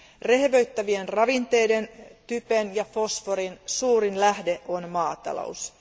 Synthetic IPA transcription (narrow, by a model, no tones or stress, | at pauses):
re̞hʋøɥt̪ːæʋienrɑʋint̪e̞jde̞nt̪ypenjɑfo̞sfo̞ɾinsuːɾinlæhde̞ʔo̞nmɑːt̪ɑ̰lo̰us